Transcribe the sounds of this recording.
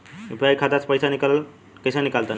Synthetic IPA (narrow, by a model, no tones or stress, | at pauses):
ipʰajkʰat̪at͡ʃʰpəjsanikall | kəjsanikalt̪an